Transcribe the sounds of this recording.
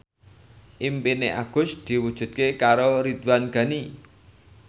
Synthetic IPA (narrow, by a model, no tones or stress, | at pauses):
ʔimpineʔa̰ɡ̥ʊ̤sd̪̥i̤wud̥ʒ̥ṳt̪̚kekaɾoɾit̪wanɡ̥ä̤ni